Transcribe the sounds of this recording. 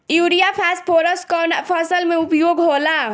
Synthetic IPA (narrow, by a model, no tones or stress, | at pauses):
juɾijapʰaspʰoɾəskɔnapʰəsəlmeupjoɡɦola